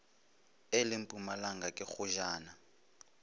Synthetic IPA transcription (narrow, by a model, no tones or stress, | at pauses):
ɪlɪm̩pʼumalaŋɡakʼɪχʊʒaːna